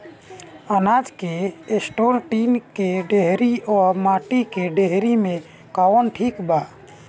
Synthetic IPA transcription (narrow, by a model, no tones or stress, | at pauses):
ənaːd͡ʒkeesʈoːɾʈiːnkeɖeɦɾiɔːɾmaːʈikeɖeɦɾimẽ | kawonʈʰiːkbaː